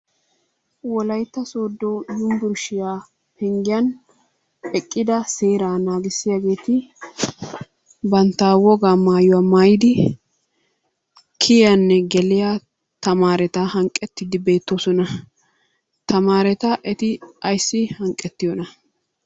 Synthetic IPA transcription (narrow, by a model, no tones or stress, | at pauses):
wɔlɐjt̪ːɐso̞ːd̪ːoːjʊnb̪ʊɾʃɪjaː | pɛŋɡɪjɐn | ɛkʼːɪd̪ɐseːɾaːnaːɡɪsːɪjaɡe̞ːt̪ɪ | bɐnt̪ːaːwɔɡaːmaːjʊwaːmaːjɪd̪ɪ | kʰɪjɐnːɛɡɛlɪja | t̪ɐmaːɾɛt̪ɐhɐŋkʼːɛt̪ːɪd̪ɪbe̞ːt̪ːɔsɔnɐ | t̪ɐmaːɾɛt̪ɐʔɛt̪ɪɐjsːɪhɐŋkʼːɛt̪ːɪjɔnɐ